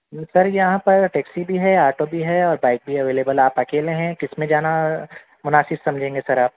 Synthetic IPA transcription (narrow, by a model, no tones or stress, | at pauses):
sɐɾjɐɦãpɐɾʈɛːksibʱiɦɛaːʈobʱiɦɛɔːɾbaːɪk̚bʱiɐʋeːleːbəlaːpɐkeːlẽɦɛ̃kɪsmẽd͡ʒaːna | mʊnaːsɪbsɐ̃md͡ʒʱẽːŋɡesɐɾaːp̚